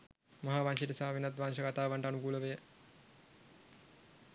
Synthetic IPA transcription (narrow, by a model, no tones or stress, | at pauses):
mɐɦaːʋaŋʃeʈəsaːʋenat̪ʋaŋʃəkat̪aːʋaɳʈəanukuləʋejə